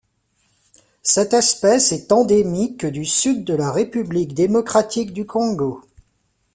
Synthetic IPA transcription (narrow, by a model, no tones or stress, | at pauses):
sɛt̪ɛspɛsɛt̪ɑ̃d̪emikːəd̪ysyd̪ːəlaʁepyblikd̪emɔkχat̪ʰikd̪ykʰɔ̃ɡo